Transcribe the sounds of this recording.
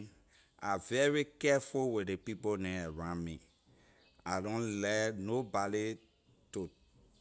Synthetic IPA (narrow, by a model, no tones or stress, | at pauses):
avɛɹikɛfuwidepiponɛ̃ɛɹãmĩ | adõnlɛnobadi | to